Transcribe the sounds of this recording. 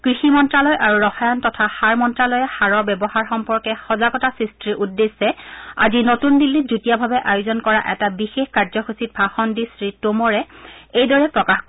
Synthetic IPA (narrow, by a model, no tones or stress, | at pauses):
kɹiximɔntɹalɔjʔaɹuɹɔxajɔntɔtʰaxaɹmɔntɹalɔjɛxaɹɔɹbɛbɔhaɹxɔmpɔɹkɛxɔzaɡɔtasɹistɹiʔudːesːɛa̰zinotundilːizutijabʱabɛʔajʊzɔnkɔɹa̰ʔɛtabixexkaɹzɔxusit̚bʱaxɔndisɹitomɔɹɛejdɔɹɛpɹɔkax